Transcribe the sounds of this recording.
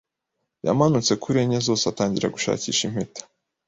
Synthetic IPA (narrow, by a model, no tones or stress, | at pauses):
ja̰manut͡se̞kuɾeɲezo̞ːseataːɲɟiɾaɡuʃa̰ːcḭːʃim̥hetḁ